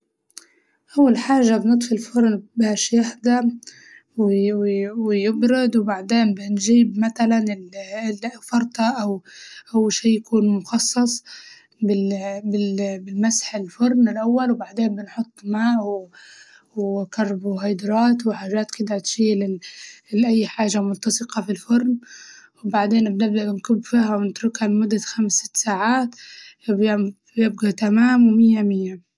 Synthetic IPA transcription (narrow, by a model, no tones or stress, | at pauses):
ʔawːalħaːʒabnɨt̪ˤfɪlfʊɾˤnbaːʃjaħd̪a | w | wɪjɪbɾɪd̪wɪbaʕd̪eːnbɪnʒiːbmaθalanɪllfɑɾˤt̪ˤɑʔawʔawːalʃiːjakuːnmʊxɑsˤːɑsˤ | bɪbɪbɪlmasħɪlfʊɾˤnɪlʔawːalwbaʕd̪eːnbɪnħʊt̪ˤːmaːʔw | wkɑrˤːbuhɑjd̪ɾˤɑːt̪wɪħaːʒaːt̪kɪd̪at̪ʃiːlɪlʔajːħaːʒamʊnt̪ːɑsˤɨqɑfilfʊɾˤnwɪbaʕd̪eːnbnɪbd̪aʔbɪnkʊbːfiːɦawɪnɪt̪ɾʊkhalmʊd̪ːaxamsɪ̥t̪ːsaːʕaːt̪bj | bjɪb̚ɡat̪amaːmwɪmɪjːamɪjːa